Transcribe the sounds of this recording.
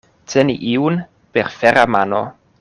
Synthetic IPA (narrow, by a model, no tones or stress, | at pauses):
teniʔiun | peɾfeɾamano̰